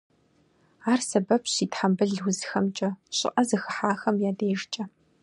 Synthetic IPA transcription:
aːrsɐbɐpʰɕiːtħambɨɮwzxɐmt͡ʃʼɐɕʼɪ̰ʔʼɐzɨxɨħaːxɐmjaːdeːʒt͡ʃʼɐ

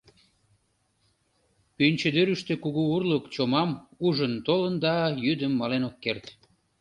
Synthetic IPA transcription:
pynʲt͡ɕəd̪øɾyʃt̪ĕkuɣuurləkt͡ɕomɑmuʒənt̪olənd̪ɑjyd̪əmːɑlenokːert̪

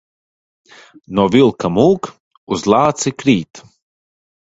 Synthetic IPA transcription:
nɔvilˠkamuːk | uzlˠaːt̪sikɾiːt̪

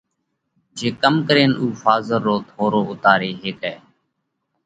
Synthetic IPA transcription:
d͡ʒeːkəmkəɾeːnuːfaːzəɾːoːt̪ʰoːɾoːʊt̪aːɾeːɦɪːkɦɛː

